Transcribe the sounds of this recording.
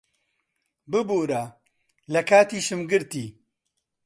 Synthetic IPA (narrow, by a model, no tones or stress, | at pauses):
bɨboːɾa | lɐkaːt̪iːʃɨmɡɨɾt̪iː